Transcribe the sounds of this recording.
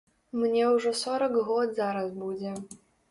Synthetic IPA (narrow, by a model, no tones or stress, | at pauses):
mnʲɛuʐɔsɔɾɐɡɣɔt̪zaɾasbud͡zʲɛ